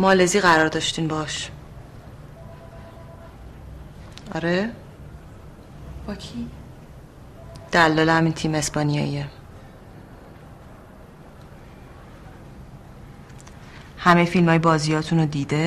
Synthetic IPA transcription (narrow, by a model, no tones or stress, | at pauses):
mɒːleziːɣæɾɒːɾd̪ɒʃt̪iːnbɒʃ | ɒ̰ɾe | d̪̥ælːɒːlehæmint̪ʰiːme̞spɒnijɒ̰ːie | hæmefilmɒːjebɒːziːjɒːt̪ʰunod̪iːd̪e